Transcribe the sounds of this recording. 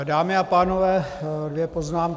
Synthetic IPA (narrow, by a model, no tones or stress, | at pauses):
daːmɪapaːnovɛːdvjɛpoznaːmk